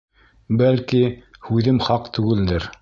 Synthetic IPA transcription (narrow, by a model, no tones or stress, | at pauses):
bælkihʉðɘmχɑqt̪ʉɡɘ̆ld̪ɘɾ